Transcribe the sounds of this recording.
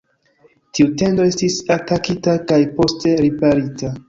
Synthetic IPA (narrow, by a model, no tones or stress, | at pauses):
tiute̞ndo̞e̞stisatakitakajpo̞ste̞ɾipaɾita